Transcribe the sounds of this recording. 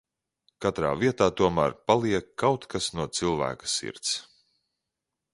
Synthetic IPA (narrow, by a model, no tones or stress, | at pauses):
kat̪ɾa̰ːviɛt̪aːt̪uɔmæːɾpalˠiɛkːawt̪kasnuɔt̪silˠvæ̰ːkḁsḭɾt̪s